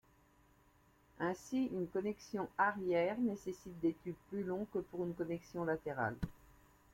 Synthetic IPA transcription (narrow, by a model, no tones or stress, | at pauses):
ɛ̃siynkɔnɛksjɔ̃aʁjɛʁnesesit̪̚d̪et̪yd̪̚plylɔ̃kəpuʁynkɔnɛksjɔ̃lat̪eʁa̰l